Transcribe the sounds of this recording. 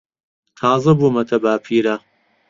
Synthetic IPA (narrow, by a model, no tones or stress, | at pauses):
t̪ʰaːzɐbumɐt̪ʰɐbaːpʰiːɾa